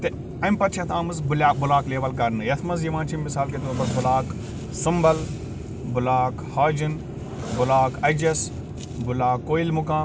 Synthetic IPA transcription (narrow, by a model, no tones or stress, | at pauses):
t̪e | ɐmpɐt̪t͡ʃʰɐt̪aːmɐzbʊlaːk̚bʊlaːkleːʋɐlkɐɾnɨjɐt̪ʰmɐzjɐʋãːt͡ʃʰimːɪsaːlket̪oːbɐsbʊlaːk | sɐmbɐl | bʊlaːkhaːd͡ʒin | bʊlaːkɐd͡ʒɐs | bʊlaːkːoːilmʊkaː